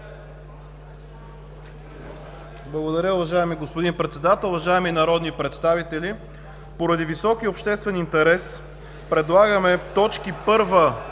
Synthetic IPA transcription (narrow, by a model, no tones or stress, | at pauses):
blˠɐɡod̪ɐɾʲəʊvɐʒaɛmiɡospod̪inpɾɛt̪sɛd̪at̪əlˠʊvɐʒaɛminɐɾɔd̪nipɾɛt̪st̪avit̪ɛlʲi | poɾɐd̪ivisɔk̟iopʃt̪ɛst̪vɛnint̪ɛɾɛs | pɾɛd̪lˠaɡəmɛt̪ɔt͡ʃkipɤɾvə